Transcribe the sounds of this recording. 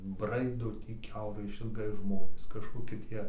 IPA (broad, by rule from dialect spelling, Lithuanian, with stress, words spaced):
ˈbrɐɪdoː ˈtʲiː ˈkʲɛʊrɐɪ ɪʃʲɪlˠˈɡɐɪ ˈʒmoːnʲeːs kɐʃkoːˈkʲɪ ˈtʲiɛ